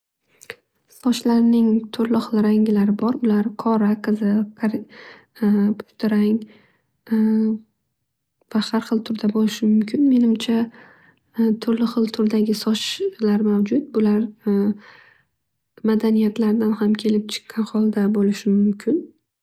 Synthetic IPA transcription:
sɒʃlaɾnɪŋt̪ʰʊɾlɪχɨlˠɾaŋʲɪlaɾɪbɒɾʊlaɾqʰɒɾaqʰɨzɪqʰaɾ | pʰʊ̥ʃt̪ʰɪɾaŋ | vahaɾχɨlˠt̪ʰʊɾd̪abolɪʃɪmʊmkʲʰɪnme̞nɪmt͡ʃʰa | t̪ʰʊɾlɪχɨlˠt̪ʰʊɾd̪aɡʲɪsɒʃlaɾmawd͡ʒʊt̪̚bʊlaɾ | mad̪anijat̪laɾd̪anhamkʲʰe̞lɪp̚t͡ʃʰɪ̥qʰːɑnχɒlˠd̪abolɪʃɪmʊmkʲʰɪn

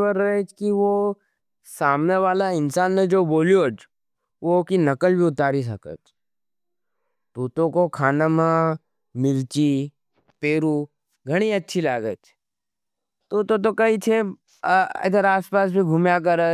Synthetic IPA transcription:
ʋəɾɐɛt͡ʃkiʋo | saːmneʋaːlaɪnsaːnːed͡ʒoːboːlijoːt͡ʃ | ʋokinɐkəlbʱiʊt̪aːɾis̬ɐkə̰t͡ʃ | t̪uːt̪õkokʰaːnamã | mɪɾt͡ʃi | peːɾu | ɡʱɐɽ̃iɐtːʃʰilaːɡət͡ʃ | t̪uːt̪ot̪̬okɐit͡ʃʰe | ɐ̰d̪əɾaːspaːs̬bʱiɡʱʊmjak̬ɐɾə

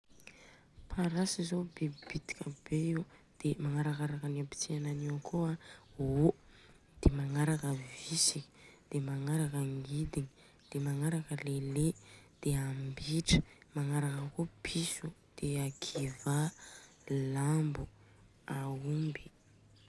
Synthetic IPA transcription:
pʰaɾasizobebit̪i̥kʲəbeiwd̪̥emaŋaɾakaɾakəniapi̥t͡siananiwakoaɦo | d̪̥emaŋaɾakəvisiki̥d̪̥emaŋaɾakəŋɡid̪iɲi | d̪̥emaŋaɾakəleled̪̥eambiʈ͡ʂə̥maŋaɾakəkopʰisud̪̥eakʰiva | lambu | aumbi

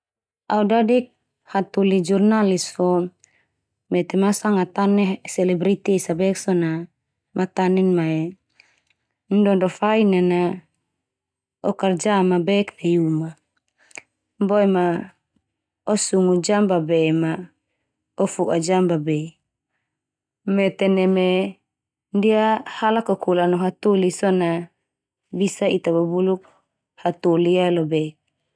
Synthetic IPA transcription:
audadik̚ | hat̪ulid͡ʒurnalisfɔ | mɛt̪ɛmasaŋat̪anɛsɛlɛbɾit̪isabɛksɔna | mat̪anɛnmae | ndɔdɔfainana | ɔkard͡ʒamabɛkt̪ejuma | mboɛma | ɔsuŋud͡ʒambabɛma | ɔfuʔad͡ʒambabe | mɛt̪ɛnɛme | ndiahalakɔkulanɔɦat̪ulisɔna | bisait̪ababuluk̚ | hat̪ulialobɛk̚

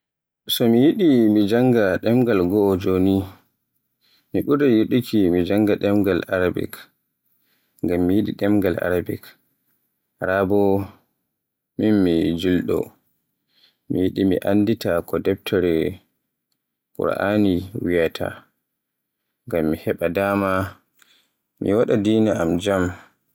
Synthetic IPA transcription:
sɔmijiɗimid͡ʒaŋɡaɗɛmɡalɡɔːd͡ʒoni | miɓuɾɛjuɗikʰimid͡ʒaŋɡaɗɛmɡalaɾabɛ̰k | ŋɡamːijiɗḭɗɛmɡala̰ɾabɛ̰k | ɾabɔ | minmid͡ʒilɗɔ̰ | mijiɗimḭʔanditakɔdɛp̚tʰɔɾɛ | kṵɾʔaniwijatʰa̰ | ŋɡamːihɛɓadaːma | mḭwaɗadiːnaamd͡ʒam

